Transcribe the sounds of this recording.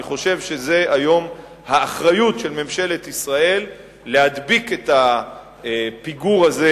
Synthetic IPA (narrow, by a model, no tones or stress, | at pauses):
iχo̞ʃe̞vʃe̞ze̞ʔajo̞m | haːχʁajutʃelme̞mʃe̞le̞t̪isʁae̞lː | ehad̪biket̪a | piɡuʁaze